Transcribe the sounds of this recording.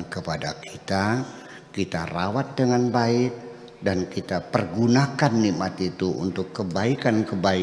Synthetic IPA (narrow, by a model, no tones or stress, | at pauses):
kəpadakʰi̥t̪a | kit̪arawat̪̚dəŋanbaɪk̚ | dankit̪apərɡunakanːimat̪it̪uṵnt̪ʊkːəbaikankəbai